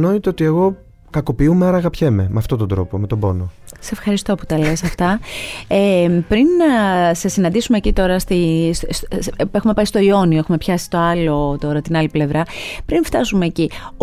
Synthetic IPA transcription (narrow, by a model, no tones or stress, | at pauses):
no̞it̪eot̪ieɣo̞ | kɐko̞piumeɐɾɐɣɐpçememeɐft̪o̞t̪ond̪ɾo̞̰pome̞t̪obo̞̰nose̞fxɐɾist̪o̞pu̥t̪ɐle̞sɐft̪ɐepɾinsesinɐnd̪isumecit̪o̞ɾɐst̪isse̞xume̞pɐist̪o̞io̞nioexumepçɐsi̥t̪o̞ɐlo̞t̪o̞ɾɐt̪inɐliple̞vɾɐpɾinft̪ɐsume̞ːci